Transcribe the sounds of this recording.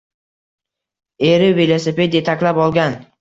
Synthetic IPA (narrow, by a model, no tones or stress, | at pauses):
e̞ɾɪvilˠosepe̞d̪jet̪ʰakʲlapɒlˠɡʲan